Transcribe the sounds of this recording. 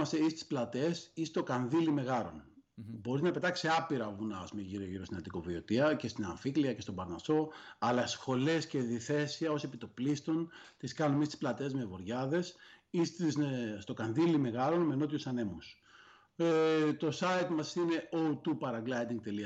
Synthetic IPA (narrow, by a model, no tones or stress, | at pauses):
ɐseist̪i̥splɐt̪esist̪o̞kɐnðilime̞ɣɐɾo̞̰n | bo̞ɾiznɐpe̞t̪ɐksiɐpiɾɐvunɐ̰ːspumeʝiɾioʝiɾost̪inɐnt̪iko̞vio̞t̪iɐce̞st̪inɐɱfikliɐce̞st̪o̞bɐɾnɐso̞ɐlɐsxo̞le̞sce̞ðiθe̞siɐo̞sie̞pit̪o̞plist̪o̞nt̪iskɐnumist̪i̥splɐt̪e̞zmevo̞ɾʝɐðe̞sist̪isst̪okɐnðilime̞ɣɐɾo̞nmeno̞t̪iusɐne̞mus | et̪o̞sɐjt̪mɐsine̞ot̪upɐɾɐɡlɐjd̪iŋɡ̚t̪e̞liɐ